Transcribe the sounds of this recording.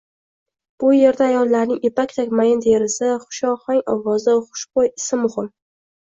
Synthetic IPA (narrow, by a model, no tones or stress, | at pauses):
b̥ʊje̞ɾd̪aːjɒlˠːaɾnɪŋʔepakʲt̪ʰakʲmajɪnd̪ʰeɾɪsɪχʊ̥ʃɒχɒŋɒ̰vɒzɪχʊ̥ʃbojɪsɪmːʊhɪm